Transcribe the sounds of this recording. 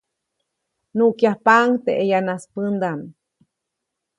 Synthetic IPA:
nuʔkjahpaŋt̪eʔejanaspənd̪am

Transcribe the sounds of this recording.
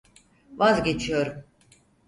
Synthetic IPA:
vazɟe̞t͡ʃʰijo̞ɾum

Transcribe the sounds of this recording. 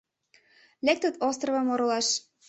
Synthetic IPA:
lek̚t̪ə̆t̪ost̪rəvɤ̆moɾolɑʃ

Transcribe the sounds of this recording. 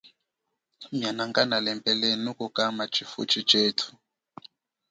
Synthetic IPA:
mjanaŋkanalɛmpʼɛlɛnukukamat͡ʃifṵt͡ʃit͡ʃetʰu̥

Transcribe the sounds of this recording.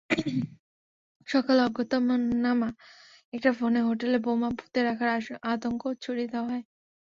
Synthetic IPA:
ʃɔkalɔɡːot̪omonama | ɛk̚ʈafoneɦoʈelebomabʱu̥t̪eɾakʰaɾat̪oŋkot͡ɕʰuɽid̪ɛaɦɔe

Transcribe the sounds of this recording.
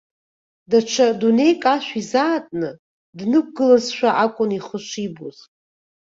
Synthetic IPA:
dat͡ʃʷʰadune̞jkʼaʃʷᶣizaːtʼnɨ | dnɨk̚ʷʰɡɨlɨzʃʷᶣaʔakʷʼʊniχəʃʷiboz̥

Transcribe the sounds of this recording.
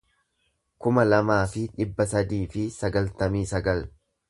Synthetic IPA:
kʊmɐlɐmaːfɪᶑɪbːɐsɐd̪iːfɪsɐɡɐlt̪ɐmiːsɐɡɐl

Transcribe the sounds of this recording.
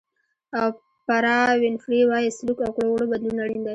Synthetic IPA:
aw | paɾɑwɪnfɾiwɑjeslukawkɽowɽobad̪lunaɽind̪aj

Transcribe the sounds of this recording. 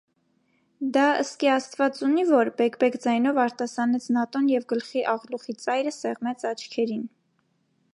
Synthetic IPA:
d̪ɑəst̪kiɑst̪vɑt͡sunivɔɾbɛkbɛkd͡zɑjn̪ɔvɑɾt̪ɑsɑnɛt͡sʰnɑt̪ɔnjɛvɡəlχiʔɑʁluχit͡sɑjɾəsɛʁmɛt͡sʰɑt͡ʃʰkʰɛɾin

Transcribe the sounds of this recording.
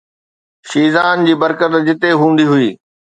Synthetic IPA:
ʃiːzaːnd͡ʑiːbɐɾkət̪d͡ʑɪt̪eɦũːn̆d̪iɦʊiː

